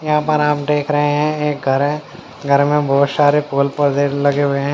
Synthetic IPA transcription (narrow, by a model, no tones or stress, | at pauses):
jɐɦãpəɾaːpʈeːkʰɾɐɦẽɦɛ̃eːk̚ɡʱɐɾɦɛ̃ː | ɡʱɐɾmẽbʱɔːt̪saːɾepoːlpɐɾd̪elɐɡeɦʊeɦɛ̃ː